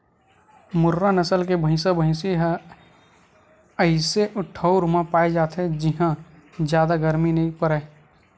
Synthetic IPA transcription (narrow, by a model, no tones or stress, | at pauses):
mʊɾːanəsəlkebʱə̃ɪ̃sabʱə̃ɪ̃seɦɛ | əɪseʔʊʈʰəuɾmãpaːed͡ʒaːt̪ɦɛd͡ʒɪɦã | d͡ʒjaːd̪aɡəɾminɐĩpəɾə